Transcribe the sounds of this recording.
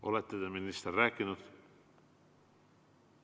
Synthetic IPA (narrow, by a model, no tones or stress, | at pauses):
ʔo̰let̪ːed̪eminist̪eræːkːinut̪